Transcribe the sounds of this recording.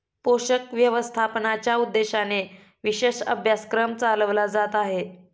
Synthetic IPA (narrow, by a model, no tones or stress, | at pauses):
poɕəkʋjəʋəst̪ʰapnat͡ɕjaud̪ːeɕane | ʋiɕeɕə̰bʱjaskɾəmt͡saləʋlad͡zat̪aɦe